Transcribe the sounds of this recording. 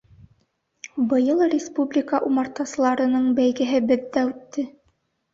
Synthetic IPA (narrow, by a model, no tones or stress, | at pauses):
bɤ̆jɤlˠrʲɪspublʲikaʔumɑɾt̪ɑsɤ̆lˠɑɾɤ̆nɤɴbæjɡɘ̆ɦɘbɘðːæʉt̪ːɘ